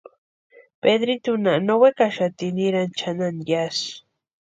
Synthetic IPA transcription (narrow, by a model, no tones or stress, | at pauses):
ped̪ɾit̪unanowekaʃat̪iniɾant͡ʃananjas